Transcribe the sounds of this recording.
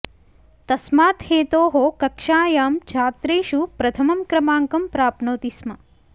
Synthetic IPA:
t̪ɐsmaːt̪heːt̪oːɦokɐkʂaːjaːmt͡ʃʰaːt̪ɾeːʃupɾɐt̪ʰɐmɐmkɾɐmaːŋkɐmpɾaːpnoːt̪ismɐ

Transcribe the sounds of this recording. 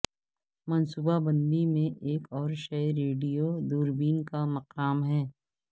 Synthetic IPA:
mɐnsuːbabɐ̃nd̪imẽʔeːkɔːɾʃɐɾeːɖijod̪uːɾbiːnkamɐqaːmɦɛː

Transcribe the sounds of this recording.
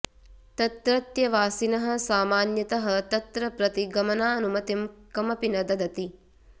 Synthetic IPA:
t̪ɐt̪ɾɐt̪jɐʋaːsinɐɦɐ̆saːmaːnjɐt̪ɐɦɐ̆t̪ɐt̪ɾɐpɾɐt̪iɡɐmɐnaːɐnumɐt̪imkɐmɐpinɐd̪ɐd̪ɐt̪i

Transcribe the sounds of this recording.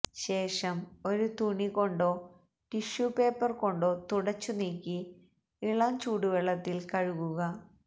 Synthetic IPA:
ɕe̞ːʂɐmo̞ɾut̪uɳiko̞ɳɖo̞ː | ʈiʂjuːpe̞ːpːɐrko̞ɳɖo̞ːt̪uɽɐt͡ɕːuniːkʲːi | iɭɐmt͡ɕuːɽuʋeɭːɐt̪ːilkɐɻuɣuɣɐ

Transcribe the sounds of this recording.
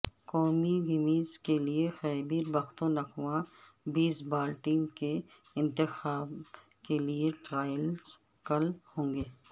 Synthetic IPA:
kɔːmiɡɪmiːzkeliexɛːbiːɾbɐxt̪õnɐkʰʋã | biːsbaːlʈɪ̃ŋke | ɪ̃nt̪ɪxaːb | kelieʈɾaːjəlz | kɐlhõːŋɡeː

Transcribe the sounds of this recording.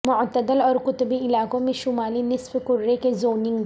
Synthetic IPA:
mʊʕt̪əd̪əlɔːɾkʊt̪beɪlaːkõmẽʃʊmaːlinɪsfkʊɾːekezoːnɪ̃ŋɡ

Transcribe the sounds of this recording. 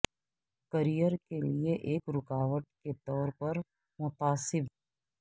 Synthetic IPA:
kɐɾijəɾkelieʔeːkɾʊkaːʋəʈ̚ket̪ɔːɾpɐɾ | mʊt̪aːsɪbɦɛː

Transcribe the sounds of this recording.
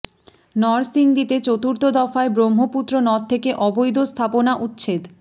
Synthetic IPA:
nɔɾsiŋd̪it̪et͡ɕot̪uɾt̪od̪ɔfaebɾomːoput̪ːɾonɔt̚t̪ʰːekeʔɔbojd̪ost̪ʰaponaʔut̪ːɕʰed̪

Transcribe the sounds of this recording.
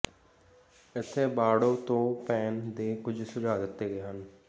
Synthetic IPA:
ɪt̪ʰːeːbaːɽoːt̪õːpɛːnd̪eːkʊd͡ʒʱsʊd͡ʒaːɡət̪ːeːɡeːɦən

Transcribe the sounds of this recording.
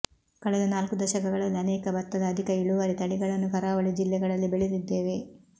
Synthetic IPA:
kɐɭɛd̪unaːlkud̪ɐʃɐkɐɡɐɭɐlːiɐnɛːkɐbɐt̪ːɐd̪ɐːd̪ʱikɐiɭuʋɐɾit̪ɐɭiɡɐɭɐnːukɐɾaːʋɐɭid͡ʒilːɛɡɐɭɐlːibeɭid̪id̪ːe̞ːʋe̞

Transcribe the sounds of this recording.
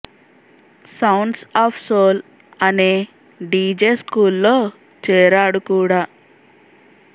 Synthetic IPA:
sɐwɳɖsaːpʰsoːl | ɐneː | ɖiːd͡ʒeːskuːlːo̞ː | t͡ʃɛːɾaːɽukuːɽaː

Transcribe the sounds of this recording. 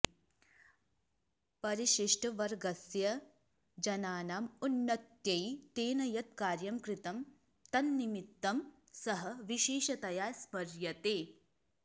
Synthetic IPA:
pɐɾiʃiʂʈɐʋɐɾɡɐsjɐ | d͡ʒɐnaːnaːmunːɐt̪jɐjt̪eːnɐjɐt̪̚kaːɾjɐmkɾit̪ɐm | t̪ɐnːimit̪ːɐm | sɐɦɐʋiʃeːʃɐt̪ɐjaːspɐɾjɐt̪eː

